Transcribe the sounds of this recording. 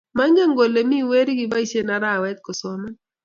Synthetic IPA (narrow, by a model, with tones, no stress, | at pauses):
ma˦ŋɡe˦ŋɡo˨le˨mi˦we˦ɾi˦ɡɪ˨ba˦i˨ʃe˦na˨ɾa˦˨wɛ˦t̪̚kɔ˨sɔ˨ma˦